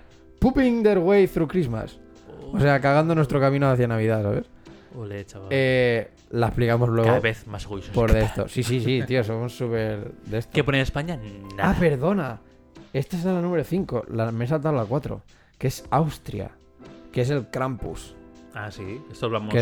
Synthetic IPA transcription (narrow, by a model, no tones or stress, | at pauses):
pupiŋd̪eɾɣwejθɾukɾizma̰s | ose̞akaɣ̞and̪onwet̪ɾo̞kamĩnoaθjanaβiðasaβe̞̰solet͡ʃaae | laeplikamozlwe̞ɣaoaβeθmasɣuisopoɾðest̪o̰sisisit̪iosomosːupeɾðe̞st̪okeponeespaɲanaape̞ɾðo̞na | e̞st̪aesɾalanũmɾoθiŋko̞̰lames̬alt̪aðlakwat̪ɾo̞̰ | ke̞sawst̪ɾja̰ | ke̞se̞lkɾampṵsasiest̪oβlamke